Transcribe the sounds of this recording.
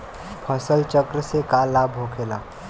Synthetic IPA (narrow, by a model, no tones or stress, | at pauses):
pʰəsəlt͡ʃəkɾəsekalaːbʱɦokʰeːla̰ː